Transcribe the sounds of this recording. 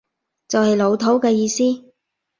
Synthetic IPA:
t͡sɐ˨whɐ˨jlo˨˧wt̪ʰo˨˥wkɛː˧jiː˧siː˥

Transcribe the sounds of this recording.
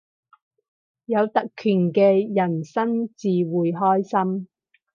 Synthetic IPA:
jɐ˨˧wt̪ɐ˨kkʰːyː˨˩nkɛː˧jɐ˨˩nsɐ˥nt͡siː˨wuː˨jɦɔː˥jsɐ˥m

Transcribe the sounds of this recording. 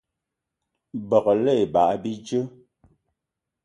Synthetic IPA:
bɔ˨klɛ˦˨ba˨ʔbi˦d͡ʒə˦

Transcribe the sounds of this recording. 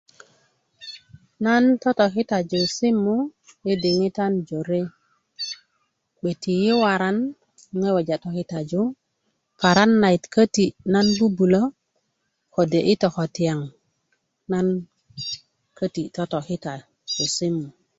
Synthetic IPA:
na˦nto˦to˨ki˦ta˨d͡ʒo˨si˦mːu˦e˦di˨ŋi˦ta˦nd͡ʒo˨ɾe˦ | ɓe˨ti˨ji˦wa˨ɾa˦n˦ | ŋe˦we˨d͡ʒa˨to˨ki˦ta˨d͡ʒu˦ | pa˨ɾa˦nːa˨i˨tkə˦ti˨na˦nbu˦bu˨lo˦ | ko˨de˨ʔi˦to˨ko˨ti˨ja˨ŋ | na˦n | kʰə˦ti˨to˦to˨ki˦ta˨ | d͡ʒo˨si˦mːu˨

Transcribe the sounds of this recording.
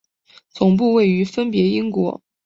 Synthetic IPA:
t͡sʊ˨˩ŋp̬u˥˧we˥˩ɪy˧˥fə˥npjɛ˧˥i˥ŋkwɔ˧˥

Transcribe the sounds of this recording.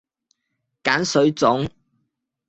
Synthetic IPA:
kaː˨˥nsɵ˨˥ɥt͡sʊ˨˥ŋ

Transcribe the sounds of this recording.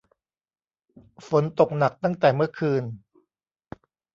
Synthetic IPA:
fo˩˦nt̪o˨˩k̚na˨˩k̚t̪a˥˩ŋt̪ɛː˨˩mɯ˥˩ɐkʰɯː˧n

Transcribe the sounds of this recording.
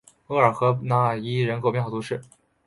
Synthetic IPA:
ɤ˥˩ə˞˨˩xɤ˧˥na˧˥ə˨˩i˥ɻə˧˥nkʰo˨˩ʊpjɛ˥˧xt̪ʰu˧˥ʂɻ̩˥˩

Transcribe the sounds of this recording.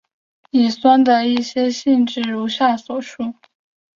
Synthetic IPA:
i˨˩swa˥nd̪ə˨i˥˩ɕjɛ˥ɕi˥˧nʈ͡ʂɻ̩˥˩ɻu˧˥ɕja˥˩swɔ˨˩ʂu˥˩

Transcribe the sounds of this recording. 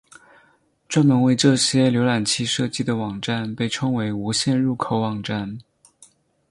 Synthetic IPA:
ʈ͡ʂwa˥nmə˧˥nwe˥˧ɪʈ͡ʂɤ˥˩ɕjɛ˥ljo˧˥ʊla˨˩nt͡ɕʰi˥ʂɤ˥˧t͡ɕi˥˩d̪ə˩wɑ˨˩ŋʈ͡ʂa˥˧npe˥˩ɪʈ͡ʂʰɤ˥ŋwe˧˥ɪu˧˥ɕjɛ˥˧nɻu˥˩kʰo˨˧˥ʊwɑ˨˩ŋʈ͡ʂa˥˩n

